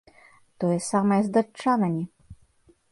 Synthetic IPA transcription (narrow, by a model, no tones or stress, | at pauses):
t̪ɔjɛsamɐjɛzd̪ɐt͡ʂːanɐnʲi